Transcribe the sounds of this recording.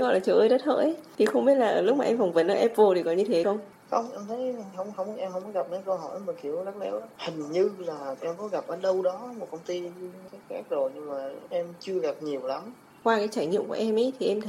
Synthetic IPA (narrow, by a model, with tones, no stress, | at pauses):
ɣɔ̰˧˨laː˨˩t͡ɕəː˧˩ʔəː˧jɗə˦˥t̚hə̰ː˧˥jʔt̪ʰi˨˩xə˧wŋ͡mɓi˦˥t̚laː˨˩ʔəː˧˩lʊ˦˥maː˨ʔɛ˧mfa˨˩wŋ͡mvə˨˦nʔəː˧˩ʔɛ˦˥p̚vo˧t̪ʰi˨˩kɔ̰˧˨ɲɨ˧t̪ʰe˨˦kɔ˧ŋ͡m | xə˧wŋ͡mʔɛ˧mt̪ʰə˨˦jɦə˧wŋ͡mxə˧wŋ͡mʔɛ˧mhə˧wŋ͡mkɔ˦ɣa˨˩p̚na˨˦jkə˧wɦɔ̰˧˩jmə˨˩ki˧˩əwzt̚le˨˦whï˨˩ŋ̟ɲɨ˧laː˨˩ʔɛ˧mkɔ˨˦ɣa˨˩p̚ʔəː˧˩ɗə˧wɗɔ˨˦mo˨˩t̚kə˧wŋ͡mt̪i˧kːk̚xa˦˥k̚zo˨˩jɲɨ˧ŋmaː˨˩ʔɛ˧mt͡ɕɨ˧əɣa˨˩p̚ɲi˨˩əwla˨˦m | kwaː˧kaː˨˦jt͡ɕaː˧˩jɲḭ˧˨əŋ͡mku˧˩əʔɛ˧mʔə˨˦jt̪ʰi˨˩ʔɛ˧mt̪ʰ